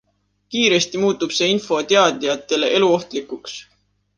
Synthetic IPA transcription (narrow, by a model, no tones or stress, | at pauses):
kiːɾe̞st̪imuːt̪ːˑub̥se̞ːinfo̞t̪e̞ɑd̪̥ijɑt̪ːˑe̞le̞ʔe̞luo̞ht̪likuks